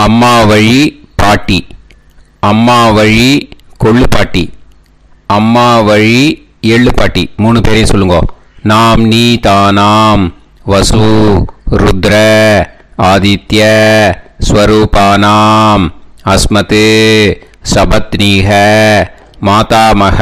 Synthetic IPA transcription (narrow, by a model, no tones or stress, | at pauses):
ɐmːaːʋɐɻipaːʈːi | ɐmːaːʋɐɻikɔɭːɯpaːʈːi | ɐmːaːʋɐɻi | eːɭːɯpaːʈːimuːɳɯpeːɾjesɔlːɯŋɡõ̰ː | naːmniːt̪aːnaːm | ʋɐsu | ɾʊd̪ɾɐ | aːd̪it̪jɐ | sʋɐɾuːpaːnaːmɐsmɐt̪ɯ | sɐbɐt̪niːɦɐ | maːt̪aːmɐɣɐ